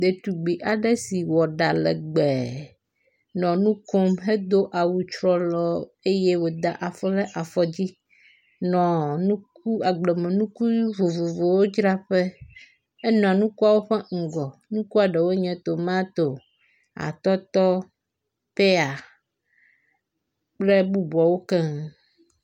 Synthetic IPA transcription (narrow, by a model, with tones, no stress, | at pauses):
d̪e˨t̪u˨ɡ͡bi˨ʔa˨ɖɛ˦si˨wɔ˨ɖa˨lɛ̰˨ɡ͡bɛ˨ | nɔ̃˨nũ˦ko˦mɦe˦d̪o˦ʔa˨wu˨t͡ʃɾɔ˦lɔ˦e˦je˦wo˨d̪a̰˨ʔa˨fɔ˦lɛ˦ʔa˨fɔ˨d͡ʑi˦ | nɔ̃˨nũ˦k̚u˦a˨ɡ͡be˨mɛ̃˨nũ˦ku˦i˦vo˨vo˨vo˨wo˦d͡ʒɾa˦ɸɛ˦ | ɛ˦nɔ̃˨a˨nũ˦ku˦a˨wo˦ɸɛ˦ŋ̩˨ɡɔ˨nũ˦ku˦a˨ɖɛ˨wo˦ɲɛ̃˨t̪o˨mã˦t̪o˨ | a̰˨t̪ɔ˦t̪ɔ˦ | pe˦a˨ | k͡ple˦bu˦bɔ˨wo˦kɛ˦ŋ˨